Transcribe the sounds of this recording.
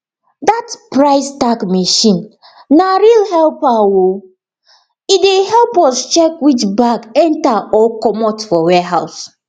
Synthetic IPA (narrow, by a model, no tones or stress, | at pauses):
ðatpɹaɪstakmeʃĩn | naɾilɦɛlpawo | ideɦɛlpɔst͡ʃɛkwit͡ʃbaɡɛ̃ntaɔkɔmɔtfɔwɛɦaʊs